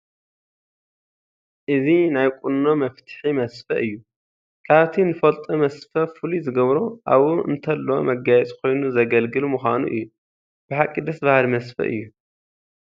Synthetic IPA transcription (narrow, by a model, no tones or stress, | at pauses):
ʔɨzinajkʷʼunːomɐft̪ʰɨ̥ħimɐsfɐʔɨjːu | kʰaβt̪ʰinɨfɐlt̪ʼɐmɐsfɐfɨlizɨɡɐβɾoʔa̰βuʔɨ̰nt̪ʰɐlːomɐɡajɛt͡sʼkʰo̞jnuzɐɡɐlɡɨlumuxʷanṵʔɨjːu | b̥ɨħakʼːid̪ɐsbahalmɐsfɐ̰ʔɨ̰jːu